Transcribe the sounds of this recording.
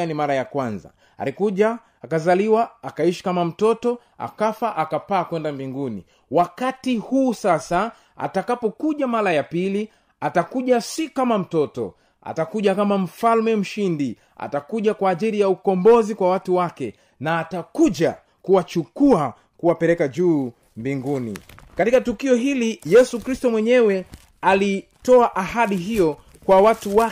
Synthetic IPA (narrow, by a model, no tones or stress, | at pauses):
animaɾajakwanza̰ | a̰likuʄaː | kazaliwaːkaiʃi̥kamam̩tɔtɔ | a̰kafaʔakapaːkwɛndambiŋɡunḭ | wakatihuːsasa | a̰takapɔkuʄamaɾajapili | atakuʄasikamam̩tɔtɔ̰ | a̰takuʄakamam̩falmɛm̩ʃindi | a̰takuʄakwaːʄiɾijaukɔmbɔzikwawatuwakɛ | naːtakuʄa | kuwat͡ʃukua | kuwapɛlɛkaʄuː | mbiŋɡunḭkatikatukiɔɦilijɛsukɾistɔmwɛɲɛwɛ | alitɔaʔahaɗiɦijɔ | kwawatuwa